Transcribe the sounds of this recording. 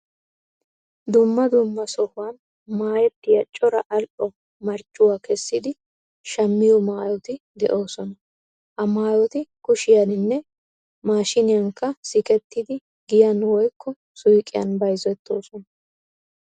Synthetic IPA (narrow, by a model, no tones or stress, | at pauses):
d̪ʊmːɐd̪ʊmːɐsɔhʊwan | maːjɛt̪ːɪjɐt͡ʃʼːɔɾɐʔɐlʔɔ | mɐɾt͡ʃʼːʊwaːkɛsːɪd̪ɪ | ʃɐmːɪjɔmaːjɔt̪ɪ | d̪ɛʔo̞ːsɔnɐ | hɐmaːjɔt̪ɪkʊʃɪjɐnɪnːɛ | maːʃɪnɪjɐŋkːɐsɪkɛt̪ːɪd̪ɪ | ɡɪjɐnwɔjkʰːɔ | sʊjkʼːɪjɐ̰nbɐjzɔɛt̪ʰːo̞ːsɔnɐ